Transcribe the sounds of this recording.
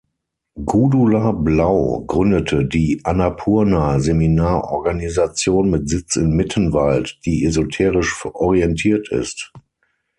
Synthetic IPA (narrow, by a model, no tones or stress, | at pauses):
ɡudulablaʊɡʁʏndətʰədiːʔanapʰuːɐnazeminaːɐʔɔɐɡanizat͡sjoːnmɪtz̥ɪt͡sɪnmɪtʰənvaltd̥iːezotʰeːʁɪʃʔɔʁiɛntʰiːɐtʰɪ̰st